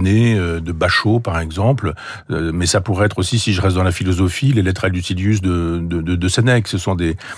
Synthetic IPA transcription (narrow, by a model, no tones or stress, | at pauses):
neød̪əbaʃopaʁɛɡzɑ̃pl | ømɛsapuʁɛɛt̪χosisiʒəʁɛst̪̚d̪ɑ̃lafilɔzɔfilelɛt̪ʁɛld̪ysiljys̬d̪əd̪əd̪əd̪əsɛnɛksəsɔ̃d̪e